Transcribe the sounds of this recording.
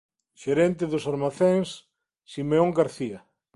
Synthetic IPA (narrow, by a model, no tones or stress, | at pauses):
ʃeɾɛnt̪eðʊsaɾmaθeŋsː | imeoŋɡaɾθia